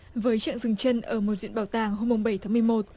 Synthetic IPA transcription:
vəː˨˦jt͡ɕa̰˧˨ŋzɨ˨˩ŋt͡ɕə˧nʔəː˧˩mo˨˩zwḭ˧˨n̚˨ɓaː˨˩wt̪aː˨˩ŋɦo˧mːʊ˨˩ŋ͡mɓə˧˩jt̪aː˨˦mɨ˨˩əjmo˨˩t̚

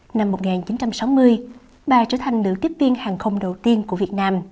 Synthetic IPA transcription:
na˧mːo˨˩t̚ŋaː˨˩nt͡ɕi˨˦nt͡ɕa˧msa˨˦wmɨ˧əj | ɓaː˨˩t͡ɕəː˧˩t̪ʰa˨˩ŋ̟lɨ̰˧˥t̪i˦˥əp̚vi˧ənhaː˨˩ŋxə˧wŋ͡mɗə˨˩wt̪i˧ənku˧˩əvi˨˩ət̚naː˧m

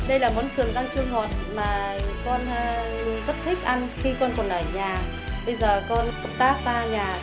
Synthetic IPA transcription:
ɗə˧jlaː˨˩mo˨˦nsɨ˨˩əŋt̪aː˧ŋt͡ɕɨ˧əŋɦɔ˨˩t̚maː˨˩kɔ˧nː˧lʊ˨˧˨zə˦˥t̚t̪ʰi˦˥k̟̚ʔa˧nxi˧kɔ˧nkɔ˨˩nʔəː˧˩ɲaː˨˩ | ɓə˧jzəː˨˩kɔ˧n˨˩k͡p̚t̪aː˦˥k̚zaː˧ɲaː˨˩

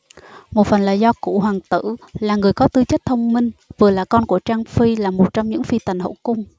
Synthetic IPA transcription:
mo˨˩t̚fə˨˩nla̰ː˨˩jzɔ˧kṵ˧˩ɦwaː˨˩ŋt̪ɨ̰˧˨laː˨˩ŋɨ˨˩əjkɔ˨˦t̪ɨ˧t͡ɕə˦˥t̚t̪ʰə˧wŋ͡mmï˧ŋ̟vɨ˨˩əlaː˨˩kɔ˧nku˧˩ət͡ɕaː˧ŋfi˧laː˨˩mo˨˩t̚t͡ɕɔ˧wŋ͡mɲɨ̰˧˥ŋfi˧t̪a˨˩jŋ̟ho̰˧˨kʊ˧ŋ͡m

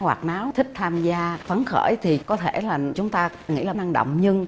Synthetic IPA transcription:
wa̰ː˨˩k̚naː˨˦wt̪ʰï˦˥k̚t̪ʰaː˧mzaː˧fə˨˦nxə̰ː˧˩jt̪ʰi˨˩kɔ˨˦t̪ʰe˧˩laː˨˩t͡ɕʊ˨˦ŋ͡mt̪aː˧ŋḭ˧˥˨laː˨˩na˧ŋɗo̰˧˨wŋ͡mɲɨ˧ŋ

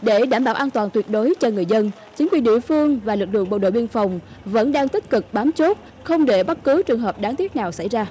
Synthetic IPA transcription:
ɗe˧˩ɗaː˧˩mɓaː˧˩wʔaː˧nt̪waː˨˩nt̪wi˨˩ət̚ɗo˨˦jt͡ɕɔ˧ŋɨ˨˩əjzə˧n | t͡ɕi˨˦ŋkwi˨˩ənɗḭ˧˨əfɨ˧əŋvaː˨˩lɨ˨˩k̚lɨ̰˧˨əŋɓə˧˩ɗo̰˧˨ɓi˧ənfa˨˩wŋ͡m | və̰˧˥nɗaː˧ŋt̪ï˦˥k̟̚kɨ˨˩k̚ɓaː˨˦mt͡ɕo˦˥t̚ | xə˧wŋ͡mɗe˧˩ɓa˦˥t̚kɨ˨˦t͡ɕɨ˨˩əŋɦəː˨˩p̚ɗaː˨˦ŋt̪i˦˥ət̚naː˨˩wsa̰˧˩jzaː˧

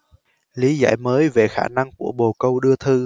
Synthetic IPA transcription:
li˨˦za̰ː˧˩jməː˨˦jve˨˩xaː˧˩na˧ŋku˧˩əɓo˨˩kə˧wɗɨ˧ət̪ʰɨ˧

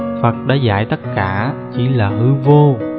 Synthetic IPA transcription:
fə˨˩t̚ɗaː˨˦za̰ː˧˩˨jt̪ə˦˥t̚kaː˧˩˨t͡ɕi˧˩laː˨˩ɦɨ˧vo˧

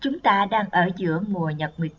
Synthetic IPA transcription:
t͡ɕʊ˨˦ŋ͡mt̪aː˧ɗaː˧ŋʔəː˧˩zɨ̰˧˥əmu˨˩əɲə˨˩p̚ŋwi˨˩ət̚

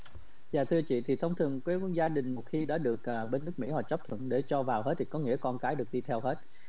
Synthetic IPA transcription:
zaː˨˩t̪ʰɨ˧ət͡ɕḭ˧˨t̪ʰi˨˩t̪ʰə˧wŋ͡mt̪ʰɨ˨˩əŋkwə˨˦zaː˧ɗï˨˩ŋ̟mo˨˩t̚xi˧ɗa̰ː˧˥ɗɨ˨˩ək̚ːɓe˧nːɨ˦˥ək̚mḭ˧˥hɔ˨˩t͡ɕə˦˥p̚t̪ʰwə̰˧˨nɗe˧˩t͡ɕɔ˧vaː˨˩wɦe˦˥t̚t̪ʰi˨˩kɔ˨˦ŋḭ˧˥əkɔ˧nkaː˨˦jɗɨ˨˩ək̚ɗi˧t̪ʰɛ˧wɦe˦˥t̚

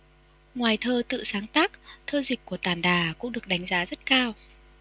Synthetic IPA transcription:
ŋwaː˨˩jt̪ʰəː˧t̪ɨ̰˧˨saː˨˦ŋt̪aː˦˥k̚t̪ʰəː˧zi˨˩k̟̚kːu˧˩ət̪aː˨˩nɗaː˨˩kʊ̰˧˥ŋ͡mɗɨ˨˩ək̚ɗa˨˦jŋ̟zaː˨˦zə˦˥t̚kaː˧w

